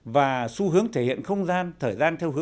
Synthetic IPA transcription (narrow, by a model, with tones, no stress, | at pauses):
vaː˨˩su˧ɦɨ˨˦əŋt̪ʰe˧˩hḭ˧˨ənxə˧wŋ͡mzaː˧nt̪ʰəː˨˩jzaː˧nt̪ʰɛ˧wɦɨ˨˦ə